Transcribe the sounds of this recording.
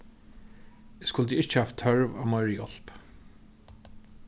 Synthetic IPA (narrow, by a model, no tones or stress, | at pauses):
ɪskʊlt̪iɪht͡ʃɪhaft̪ʰːœɹva̰vmɔɪɹəjɔl̥p